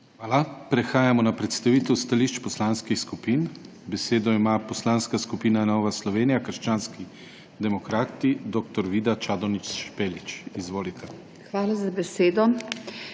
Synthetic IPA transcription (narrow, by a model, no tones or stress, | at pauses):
xʋaːlapɾɛxaːjamɔnapɾɛt̪st̪aʋiːt̪ɛwst̪aliːʃt͡ʃpɔslaːnskixskupiːn | bɛseːd̪ɔimapɔslanskaskupiːnanɔːʋaslɔʋeːnijakəɾʃt͡ʃaːnski | d̪ɛmɔkɾaːt̪id̪oːkt̪ɔɾʋid̪at͡ʃaːd̪ɔnit͡ʃʃpeːlit͡ʃizʋoːlit̪ʰɛ | xʋaːlazabɛseːd̪ɔ